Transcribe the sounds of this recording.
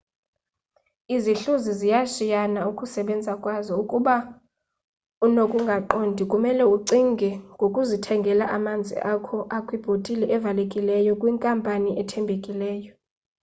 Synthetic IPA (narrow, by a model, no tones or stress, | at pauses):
iziɬuzizijaʃijanaukʼusɛɓɛnd͡zʱakʼwazɔukʼuɓa | unokʼuŋɡʱaǃondʱikʼumɛlɛuǀiŋɡʱɛŋɡʱokʼuzitʰɛŋɡʱɛlaʔamand͡zʱḭʔakʰɔʔakʼwib̥ʱotʼilɛʔɛvalekʼilɛjɔkʼwiŋkʼampʼaniʔɛtʰɛmbʱekʼilɛːjɔ